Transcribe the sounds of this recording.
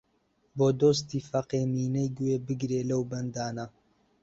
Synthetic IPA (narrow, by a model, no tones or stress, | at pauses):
boːd̪oːs̬t̪iːfɐqeːmiːnɐjɡweːbɨɡɾeːlɐwbɐnd̪aːnɐ